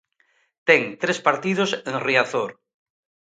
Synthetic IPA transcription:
t̪ɛŋt̪ɾespaɾt̪iðosẽŋriaθoɾ

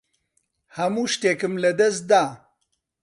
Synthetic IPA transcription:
hɐmuːʃt̪eːkɨmlɐd̪ɐs̬̚d̪aː

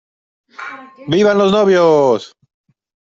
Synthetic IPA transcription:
biβanloznoβjos

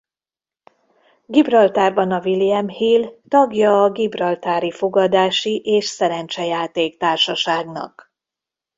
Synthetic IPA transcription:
ɡibrɒlt̪aːrbɒnɒviliɛmhilt̪ɒɡjɒːɡibrɒlt̪aːɾifo̞ɡɒd̪aːʃiʔeːʃsɛɾɛnt͡ʃɛjaːt̪eːkt̪aːrʃɒʃaːɡnɒ̰k

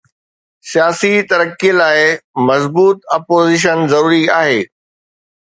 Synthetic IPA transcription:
sijaːsit̪ɐɾəkːilaːɪmɐzbuːt̪ɐpoːziʃ̬ənzɐɾuːɾiaːɦeː

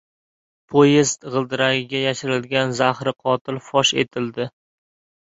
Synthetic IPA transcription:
pʰojest̪ʁɨlˠd̪ɪɾaɡʲɪɡʲajaʃɪɾɪlɡʲanzahɾɪqʰɒt̪ʰɪlfɒʃe̞̰t̪ʰɪld̪ɪ

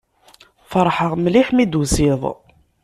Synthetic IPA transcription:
fəɾˤħəʁmliħmid̪uzɪðˤ

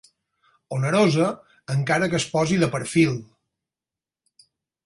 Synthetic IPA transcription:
onəɾozəː | ŋkaɾəkəspɔziðəpəɾfilˠ

